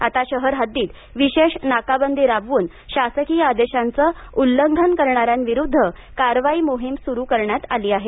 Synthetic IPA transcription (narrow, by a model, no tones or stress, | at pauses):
at̪aɕəɦəɾɦəd̪iːt̪ | ʋiɕeʂnakabənd̪ʱiɾaʋʋuːn | ɕasəkiːad̪eɕant͡səulːəŋɡʱənkəɾɳaɾjanʋiɾud̪ʱːəkaɾʋaimoɦimsuɾuːkəɾɳjat̪aliːaɦe